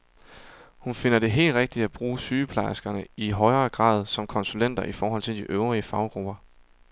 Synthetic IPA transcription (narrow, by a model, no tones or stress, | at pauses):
hunfe̝nɐɾe̝ɦe̝̰ːld̥ʁeɡ̥̚d̥i̥æb̥ʁuːsyːpʰlɑ̈ɪsɡ̥ɐnəiɦɒ̽ɪɐːɡ̥ʁɑ̰̈ːð̞̩ˠsɒ̽mkʰɒ̽nsulen̰d̥ɐʔifɒːɦɒ̽l̰t͡sʰe̝ld̥iʔøʊʁiəfɑ̈ʊɡ̥ʁub̥ɐ